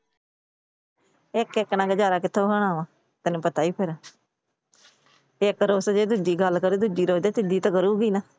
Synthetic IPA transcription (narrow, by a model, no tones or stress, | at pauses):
ɪkɪknãːɡəd͡ʒaːɾaːkɪt̪ʰːeːɦəɽaːʋãː | t̪ənũːpət̪aːiːpʰɪɾaː | ɪkɾoːsd͡ʒeːd̪ud͡ʒiːɡəlkəɾeːd̪ud͡ʒiːɾoːd̪eːt̪ɪd̪iːt̪ãːkəɾuːɡiːnaː